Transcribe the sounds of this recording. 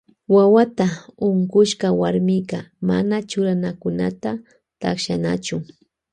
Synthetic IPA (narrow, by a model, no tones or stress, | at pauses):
wawat̪aʊɴkʊʃkawaɾmɪkɑma̰nat͡ʃʊɾanakʊnat̪a | t̪aχʃana̰t͡ʃʊ